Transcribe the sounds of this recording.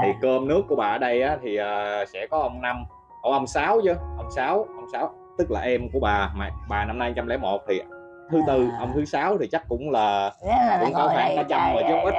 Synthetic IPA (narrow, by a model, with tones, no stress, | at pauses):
t̪ʰi˨˩kəː˧mnɨ˦˥əkːu˧˩əɓaː˨˩ʔəː˨˩ɗə˧jʔaː˨˦t̪ʰi˨˩ʔəː˨˩sɛ̰˧˥kɔ˨˦ʔə˧wŋ͡mna˧m | ʔə˧˩ʔə˧wŋ͡msaː˨˦wt͡ɕɨ˧ʔə˧wŋ͡msaː˨˦wʔə˧wŋ͡msaː˨˦w | t̪ɨ˦˥k̚laː˨˩ʔɛ˧mku˧˩əɓaː˨˩ma̰ː˧˩˨ɓaː˨˩na˧mnaː˧jt͡ɕa˧mlɛ̰˧˥mo˨˩t̚t̪ʰi˨˩ʔ | t̪ʰɨ˨˦t̪ɨ˧ʔə˧wŋ͡mt̪ʰɨ˨˦saː˨˦wt̪ʰi˨˩t͡ɕa˦˥k̚kʊ̰˧˥ŋ͡mlaː˨˩kʊ̰˧˥ŋ͡mkaː˧˦wxaː˧˩nkaː˨˦t͡ɕa˧mvəː˨˩t͡ɕo˦˥p̚ʔi˦˥t̚